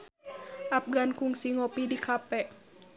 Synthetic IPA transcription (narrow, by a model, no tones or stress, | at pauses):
ʔap̚ɡankuŋsiŋɔpidikʰapɛʔ